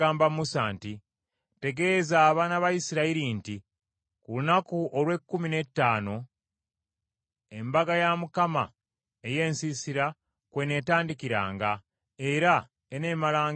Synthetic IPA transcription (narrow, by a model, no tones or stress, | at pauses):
aːmbamusaːnti | te̞ɡe̞zaːβanaβajisiɾaiɾinti | kulunakuolwe̞kːumine̞tːaːno̞ | e̞mbaɡajamukama | eje̞ːnsisiɾa | kwe̞ne̞ːtaːndikiɾa̰ːŋɡa | e̞ɾa | eneːmalaːŋ